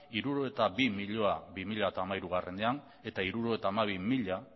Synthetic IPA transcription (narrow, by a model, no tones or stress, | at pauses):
iɾuɾo̞et̪aβimiʎo̞aβimiʎaet̪aːmaiɾuɣ̞are̞nd̪ean | e̞t̪aiɾuɾoet̪aːmaβ̞imiʎa